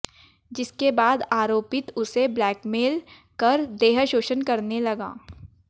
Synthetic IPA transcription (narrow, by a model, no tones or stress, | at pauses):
d͡ʒɪskebaːd̪aːɾoːpɪt̪ʊseblɛːkmeːl | kɐɾd̪eːɦəʃoːʃənkɐɾnelɐɡã̰ː